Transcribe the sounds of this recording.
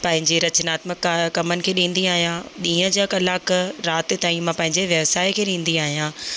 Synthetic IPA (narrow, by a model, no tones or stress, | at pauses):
pɐ̃ɦɪ̃ɲd͡ʑeɾɐt͡ɕənaːt̪məkkɐmənɪ̆kʰeːɗĩːn̆d̪iaːɦijãɗĩːə̃d͡ʑaːkɐlaːkɾaːt̪ɪ̆t̪aːĩmãpɐ̃ɦɪ̃ɲd͡ʑeʋjɐʋsaːɪkʰeːɗĩːn̆d̪iaːɦijãː